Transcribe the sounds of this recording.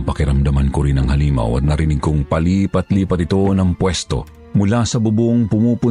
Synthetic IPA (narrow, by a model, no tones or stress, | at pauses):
ŋpɐkɪɾɐmd̪ɐmɐnkoɾinɐŋhɐliːmɐ̰wɐ̰t̪̚nɐɾɪniɡ̚koŋpɐliːpɐt̪liːpɐt̪ɪt̪o̞nɐŋpwɛst̪o̞̰ | mʊlasɐbʊboŋpʊmupʊ